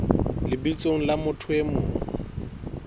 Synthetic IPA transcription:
lɪbit͡sʼoŋ̩lamʊtʰwemʊː

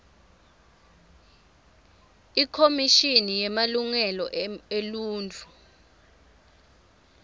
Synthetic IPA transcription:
ikʰomiʃinijɛmaluŋɛlɔʔeluːnt͡fʰʼu

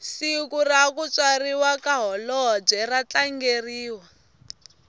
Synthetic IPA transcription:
sikurakut͡swariwakaɦɔlɔɦb͡ʐɛrat͡ɬaŋɡeriːwa

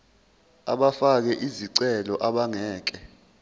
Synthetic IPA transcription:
a̰ɓafak̬ɛʔiziǀɛlɔʔaɓaŋɛːk̬ɛ

